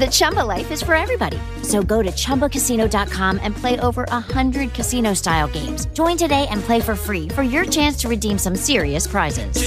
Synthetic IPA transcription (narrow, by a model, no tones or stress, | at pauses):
ðɨt͡ʃʰʌ̃mbəlaɪfɨz̥fə˞ɛvɹibɑɾḭ | soʊɡoʊɾɨt͡ʃʰʌ̃mbəkʰɨsiñoʊdɑt̚kʰɑ̃mɨ̃npʰl̥eɪʔoʊvə˞ʔəhʌ̃ndɹɨd̚kʰɨsĩñoʊstaɪl̩ˠɡẽɪ̃mz̥d͡ʒ̥ɔ̃ɪ̃ntɨdeɪʔɨ̃npʰl̥eɪfə˞fɹifə˞jə˞t͡ʃʰæ̃nstʰɨɹɨdĩmsʌ̃msɪɹiɨspʰɹ̥aɪzɪ̰z̥